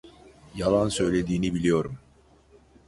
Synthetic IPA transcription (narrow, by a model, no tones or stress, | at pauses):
jalˠansø̞jlʲe̞d̪iːnibilʲijo̞ɾum